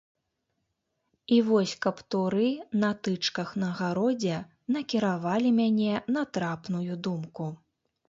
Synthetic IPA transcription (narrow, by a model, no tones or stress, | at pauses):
ivɔsʲkɐpt̪uɾɨnɐt̪ɨt͡ʂkɐxnɐɣaɾɔd͡zʲɛ | n̪ɐkʲiɾavalʲimʲanʲɛnɐt̪ɾapnujud̪umku